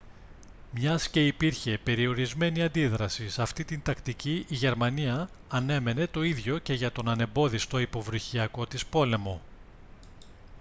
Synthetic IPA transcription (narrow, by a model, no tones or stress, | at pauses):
mɲɐsce̞ipiɾçe̞pe̞ɾio̞ɾizme̞niɐnd̪iðɾɐsisɐft̪it̪int̪ɐkt̪iciʔiʝe̞ɾmɐniɐː | ne̞me̞ne̞t̪o̞iðʝo̞ce̞ʝɐt̪o̞nɐne̞mbo̞ðist̪o̞ipo̞vɾuçiɐko̞t̪ispo̞le̞mo̞